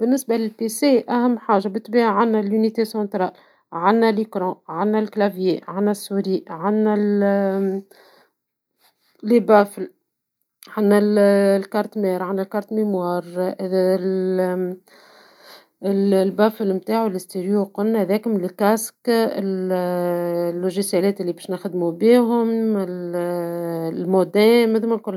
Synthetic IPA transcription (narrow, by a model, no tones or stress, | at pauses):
b̥ɪnːɪsbalɪlpeseʔæhæmːħaːʒːabɪt̪ːbiːʕanːælynit̪esɑ̃nt̪ɾˤɑːl | ʕanːælikɾɑ̃ʕanːælklavjeʕanːæsːuɾiʕanːæl | lebæːfl | ʕanːællkaɾˤt̪mɛːɾʕanːælkɑɾˤt̪memwɑːɾ | l | ɪllbaːflmt̪aːʕulɪst̪iɾjuqʊlnhðɛːkʊmɪlkæskɪl | lːuʒisjælɛːt̪ɪlːibɛːʃnɪxd̪mubiːɦʊmɪl | lmod̪ɛːmd̪uːmænkʊlː